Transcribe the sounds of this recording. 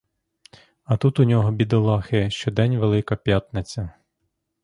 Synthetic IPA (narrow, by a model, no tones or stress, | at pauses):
ɐt̪ut̪ʊnʲɔɦɔbʲid̪ɔlˠɑxɛʃt͡ʃɔd̪ɛnʲʋelˠɪkɐpʲjat̪net͡sʲɐ